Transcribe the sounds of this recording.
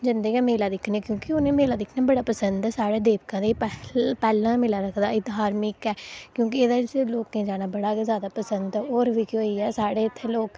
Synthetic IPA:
d͡ʒɪnd̪eːkɛːmeːlaːd̪ɪkʰnẽːkjõːkɪʊnẽːmeːlaːd̪ɪkʰnaːbəɽaːpəsənd̪ɛːsaːɽeːd̪eːbkãːd̪eːpɛpɛːlãːmelaːɾəkʰd̪aːɪt̪ɦaːɾmɪkɛːkjõːk̬ɪeːd̪aːt͡ʃːloːkẽːd͡ʒaːnaːbəɽaːzjaːd̪aːpəsənd̪oːɾʋiːkɪoiːɛːsaːɽeːɪt̪ʰːeloːk

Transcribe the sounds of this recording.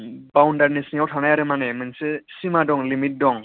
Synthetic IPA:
bawndaɾnisniɔwtʰanajaɾɯmanɛmɯnsesimadɔŋlimit̚dɔŋ

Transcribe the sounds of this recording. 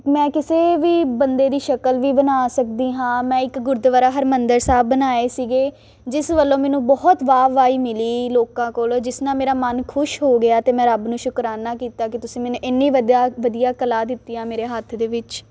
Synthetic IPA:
mɛ̃ːkɪseːʋiːbənd̪eːd̪iːʃəkəlʋiːbənaːsək̚d̪iːɦãːmɛ̃ːɪkɡʊɾd̪ʋəɾaːɦəɾmənd̪əɾsaːbbənaːeːsiːɡeː | d͡ʒɪsʋəlːõːmɛ̃ːnũːbɔːt̪ʋaːʋaːiːmɪliːloːkãːkoːld͡ʒɪsnãːmeːɾaːmənkʰʊʃɦoːɡɪaːt̪eːmɛ̃ːɾəbnũːʃʊkɾaːnaːkiːt̪aːkɪt̪ʊsĩːmɛːnũːʔɪnːĩːʋəd̪aːʋəd̪ijaːkəlaːd̪ɪt̪ːiːãːmeːɾeːɦət̪ʰd̪eːʋɪt͡ʃ

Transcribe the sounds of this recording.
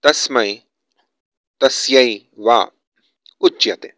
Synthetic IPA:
t̪asmaj | t̪asjaj | wa | ʊt͡ʃːjat̪ḛ

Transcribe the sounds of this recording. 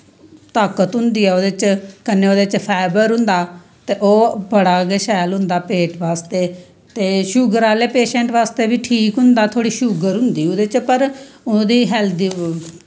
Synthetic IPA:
t̪aːkət̪ɦʊ̃nd̪iːɛːoːd̪et͡ʃkəneːoːd̪eːt͡ʃpʰɛːbəɾɦʊ̃nd̪aː | t̪eːʔoːbəɽaːɡeʃɛːlɦʊ̃nd̪aːpeːʈʋaːst̪eː | t̪eːʃʊɡəɾaːleːpeːʃɛ̃ːɳʈʋaːst̪eːbiːʈʰiːkɦʊ̃nd̪aːt̪ʰoːɽiːʃʊɡəɾɦʊ̃nd̪iːod̪eːt͡ʃpəɾ | ʊd̪iːɦɛld̪iː

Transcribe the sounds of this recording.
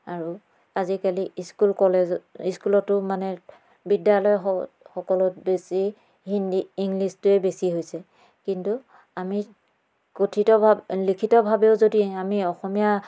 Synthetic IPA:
aɹu | azikaliskulkɔlɛiskulɔtːʊmanɛ | bidjalɔjɔxɔkɔlɔt̚besi | indiːŋlistʊɛbesiɦojsɛ | kintu | ami | kotʰitɔbʱalikʰitɔbʱabeʊzodiamiɔxɔmija

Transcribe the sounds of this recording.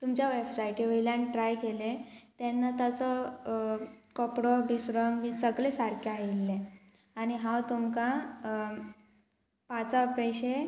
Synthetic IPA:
t̪umt͡ɕjaʋebsajiʈiʋəjljanʈɾajkelet̪jɛnːat̪at͡sɔ | kɔpɽɔbisɾəŋɡmisəɡlesaɾkʰjaajilːe | añiɦãwt̪umka | pat͡sapəjɕe

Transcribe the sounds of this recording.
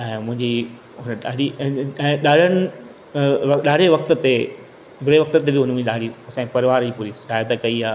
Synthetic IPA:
ɛ̃ːmʊ̃ɦɪ̃ɲd͡ʑi | ɦʊnəɗaːɖiɛ̃ːɗaːɽ̤ʱəñɪ | ʋɐɗaːɽ̤ʱeʋɐkt̪ə̆t̪e | bʱʊɽeʋɐk̚t̪ət̪ebɪɦʊnm̃ɗaːɽiɐsãːpɐɾɪʋaːɾd͡ʑiːpuːɾisaːjət̪kɐiaː

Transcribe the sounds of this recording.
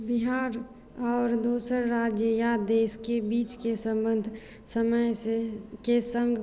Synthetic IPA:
biɦaːɾ | ɔːɾd̪oːsəɾɾaːd͡ʒjəjad̪eːskebiːt͡ʃkesə̃mbənd̪ʱ | səməjsekesə̃ŋɡ

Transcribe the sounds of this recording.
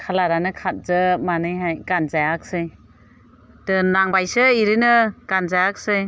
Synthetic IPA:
kʰalaɾanɯkʰat̚zɯmanɯjɦajɡanzajak̚sɯj | dɯnaŋbajsɯiɾinɯɡ̥anzajak̚sɯj

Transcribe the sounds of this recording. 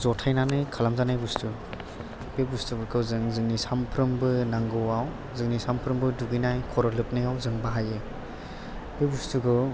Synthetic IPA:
zɔtʰajnanɯjkʰalamzanajbustu | b̥ebustuɡɯkʰɯwzɯŋzɯŋnisampʰɾɯmbɯnaŋɡɯwaw | zɯŋnisampʰɾɯmbɯduɡinajkʰɔɾɔlɯp̚najawzɯŋbaɦajɯ | b̥ebustuɡɯ

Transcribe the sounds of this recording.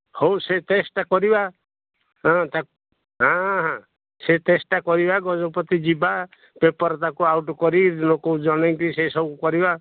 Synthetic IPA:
howsetesʈakɔɾiba | ɦɔ̃t̪a | ɦãɦã | seʈesʈakɔɾibaɡɔd͡ʒɔpɔt̪id͡ʒiba | pepɔɾɔt̪akuawʈɔkɔɾid̪nokoud͡ʒɔɽ̃eŋt̪isesɔbukukɔɾiba

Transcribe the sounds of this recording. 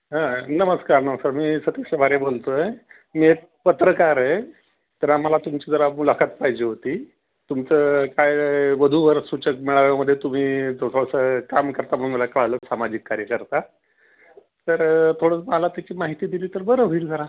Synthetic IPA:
ɦãnəməskaɾnəməskaɾmiːsət̪əɕabaɾebolt̪oe | miek̚ | pət̪ɾəkaɾe | t̪əɾamalat̪umt͡ɕid͡zəɾamulakʰat̪̚paɦid͡ʑeɦot̪iː | t̪umt͡səkajʋəd̪ʱuʋəɾsut͡ɕəkmiɭaʋaməd̪ʱːjet̪um̤iːd͡z̪osəsəkamkəɾt̪am̤əɽ̃məlakəɭaləːsamad͡ʑikːaɾjəkəɾt̪a | t̪əɾt̪ʰoɽət͡smalat̪jat͡ɕiːmaɦit̪iːd̪iliːt̪əɾbəɾəɦoiːld͡zəɾa

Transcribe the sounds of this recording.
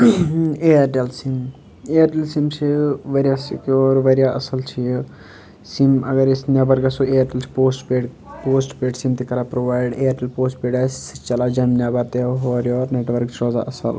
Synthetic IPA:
ejɾʈelsim | ejəɾʈelsimsʰiʋɐɾjasikɔːɾʋɐɾjaʔɐ̰sɐlt͡ʃʰi | simɐ̰ɡɐɾisnʲabɐɾkasoejəɾʈelt͡ʃʰi̥poːsʈpeɖ | poːsʈpeːɖsimt̪ikɐɾapɾoʋaːjɖejəɾʈelpoːsʈpeːɖassi̥t͡ʃɐlad͡ʒɐnmnjabaɾt̪eɦoːɾjɔːɾneʈʋəɾkt͡ʃʰɾoːza̰ʔɐsə̰l

